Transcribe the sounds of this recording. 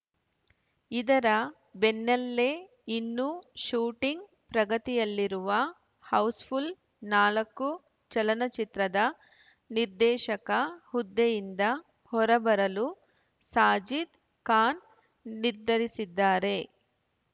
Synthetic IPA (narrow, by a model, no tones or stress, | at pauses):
id̪ɐɾɐ | benːɐlːe̞ː | inːuʃuːʈiŋɡ | pɾɐɡɐt̪ijɐlːiɾuʋɐ | hɐwspʰul | naːlɐkːu | t͡ʃɐlɐnɐt͡ʃit̪ɾɐd̪ɐ | niɾd̪ɛːʃɐkɐhud̪ːejind̪ɐ | hɔɾɐbɐɾɐlu | saːd͡ʒid̪ | kaːnː | iɾd̪ʱɐɾisid̪ːaːɾe̞